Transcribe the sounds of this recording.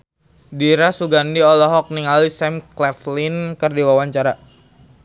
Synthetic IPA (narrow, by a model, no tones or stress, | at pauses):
diɾasuɡandiɔlɔɦɔk̚niŋalisɛmklɛflinkərdiwawaɲt͡ʃaɾa